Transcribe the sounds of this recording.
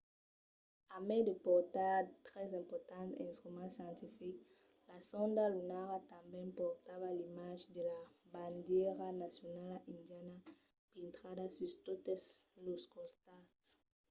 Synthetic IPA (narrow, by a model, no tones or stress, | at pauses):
amɛdepɔʁtat̪ʁɛzɛ̃mpɔʁt̪ɑ̃nt̪ɛ̰̃st̪ʁymɑ̃sjɑ̃nt̪ifik | lasɔ̃ndalunaʁat̪ãmbɛ̃pɔʁt̪avalimaʒdelabandjɛʁanasjonalaʔĩndjana | pĩnt̪χadasyst̪otɛsloskɔ̃st̪at